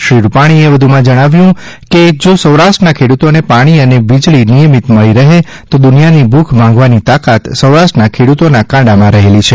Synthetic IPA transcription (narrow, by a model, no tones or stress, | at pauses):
ʃiɽpaɽ̃ieʋəd̪ʱumãd͡ʒəɽ̃aʋjũ | ked͡ʒosəwɾaʃʈənakʰeɽut̪onepaɽ̃iəneʋid͡ʒɭinijəmit̪məɭiɾəɦe | t̪od̪ʊnijanibʱukʰmãŋɡʋanit̪akat̪səwɾaʃʈnakʰeɽut̪onakãɖamãɾəɦelit͡ʃʰe